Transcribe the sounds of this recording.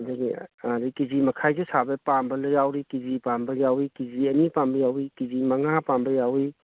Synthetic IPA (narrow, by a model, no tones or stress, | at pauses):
dɐɡiɾikizimɐkʰajzesabɐpambɐlɐjawɾikizipambɐjawikiziɐnipambɐjawikizimɐŋapambɐjawi